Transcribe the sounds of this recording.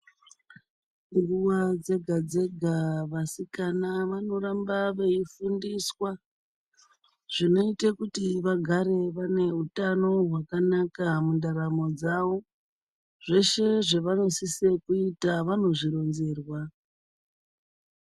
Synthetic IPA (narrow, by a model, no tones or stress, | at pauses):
ŋɡuwad͡ze̞ɡʱad͡zeɡʱaʋasikanaʋano̞ɾambaʋe̞ifundiswa | ʐ̥ino̞itekutiʋaɡʱaɾe̞ʋane̞utano̞ɦwakanakamundaɾamo̞d͡zaʋo̞ | ʐ̥e̞ʃe̞ʐeʋano̞sisekuitaʋano̞ʐiɾo̞nze̞ːrwa